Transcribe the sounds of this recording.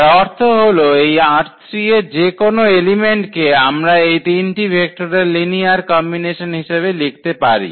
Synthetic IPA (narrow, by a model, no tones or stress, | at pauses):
ɔɾt̪ʰoɦoloejaɾt̪ɾied͡ʑekonoelimeɳʈkeamɾaejt̪inʈibʱek̚ʈoɾeɾliniaɾkɔmbineʃonɦiʃeβelik̚ʰt̪epaɾḭ